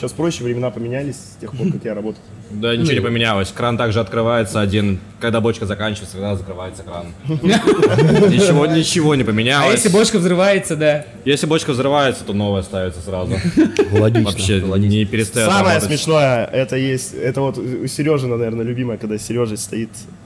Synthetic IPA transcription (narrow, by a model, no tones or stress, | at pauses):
asfpɾoɕːɪvɾʲɪmʲɪnapəmʲɪnʲælʲɪsʲsʲtʲe̞xpo̞kakjaɾɐbo̞t̪əɪt̪ˠ | d̪anʲɪt͡ɕɪvonɪpəmʲɪnʲalˠəsʲkɾant̪aɡʐɨɐt̪kɾɨvajɪt̪səɐdʲin | kɐɡd̪abot͡ɕkəzɐkanʲt͡ɕɪvət̪səkɐɡd̪azəkɾɨvajɪt̪səkɾan | nʲɪɪvonʲɪt͡ɕɪvo̞nʲɪpəmʲɪnʲaljˠəesʲlʲɪbo̞t͡ɕkəvzrɨvajɪt̪səd̪a | jesʲlʲɪbo̞t͡ɕkəvzɾɨvajɪt̪sə̥t̪o̞no̞vəjəst̪aɪt̪səsɾazʊlˠɐɡʲivɐpɕːenʲɪpʲɪɾʲɪst̪ɐjoaɐməbjoət̪smʲɪʂno̞jəɛt̪əjesʲtʲɛt̪əvo̞t̪sʲɪɾʲo̞ʐɨnɐnɐvʲernəlʲʉbʲiməjəkɐɡ̚d̪asʲɪɾʲoʐnəsʲst̪ɐit̪